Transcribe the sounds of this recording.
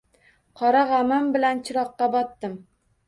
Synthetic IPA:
qʰɒɾaʁamambɪlant͡ʃʰɪɾɒqːɑbɒt̪ːɪm

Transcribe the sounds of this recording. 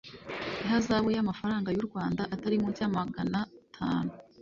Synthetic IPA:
iɦazaːβojamafaɾaːŋɡajuɾɡwaːndaʔataɾimuɾɟaːmaɡanatʰa̰ːnu

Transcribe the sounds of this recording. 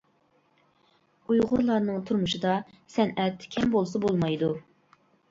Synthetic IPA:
ujʁʊɾlˠɑɾnɨŋt̪ʰuɾmuʃɨd̪ɑ | sɛnɛt̪kʲʰɛmbolˠsɑbolˠmɑjd̪u

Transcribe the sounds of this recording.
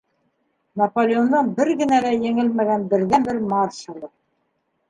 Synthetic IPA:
nɐpolʲeond̪ɑnbɘɾɡɘ̆nælæjɘ̆ŋɘlmæɣænbɘ̆ɾðænbɘɾmɑɾʃɤ̆lˠɤ

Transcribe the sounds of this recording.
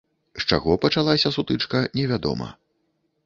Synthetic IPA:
st͡ʂa̰ɣɔpɐt͡ʂalˠasʲɐsut̪ɨt͡ʂkɐnʲɛvʲad̪ɔ̰mɐ̰

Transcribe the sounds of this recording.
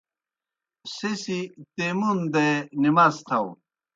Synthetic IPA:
sesit̪emund̪enimɐst̪ʰɐw

